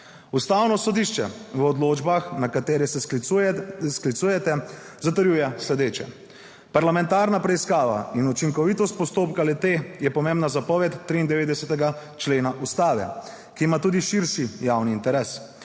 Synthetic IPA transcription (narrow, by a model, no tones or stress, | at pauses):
ust̪awnɔsɔd̪iʃt͡ʃɛ̰ʋəɔd̪loːd͡ʒbaxnakat̪eːɾɛsɛ | sklit̪suːjɛt̪ɛ | zat̪əɾjuːjɛslɛd̪eːt͡ʃɛ̰ | paɾlamɛ̃nt̪aːɾnapɾɛiskaːʋa̰inut͡ʃiŋkɔʋit̪ɔst̪̚pɔst̪oːpkalɛt̪eːjɛpɔmeːmbnazapɔʋɛt̪ːɾiːnd̪ɛʋeːd̪ɛsɛt̪ɛɡa | t͡ʃleːnaʔust̪aːʋɛ̰ | kiːmat̪uːd̪iʃiɾʃijawniːnt̪ɛɾɛːs